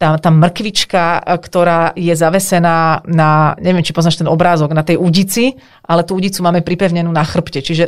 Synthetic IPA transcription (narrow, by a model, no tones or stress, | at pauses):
t̪at̪aːmr̩kʋit͡ʃkakt̪ɔɾaːjɛzaʋɛsɛnaːnaɲɛʋɪɛmt͡ʃipɔznaːʃt̪ɛnɔbɾaːzɔɡnat̪ɛjuɟit͡si | ʔalɛt̪uuɟit͡sumaːmɛpɾipɛʊɲɛnuːnaxr̩pcɛt͡ʃiʒɛ